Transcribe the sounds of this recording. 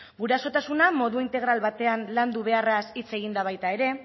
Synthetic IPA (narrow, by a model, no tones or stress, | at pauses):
ɡuɾeaso̞t̪asunamo̞ðuint̪e̞ɣ̞ɾalβat̪e̞anland̪uβ̞e̞arasit͡se̞ɣind̪aβajt̪ae̞ɾe̞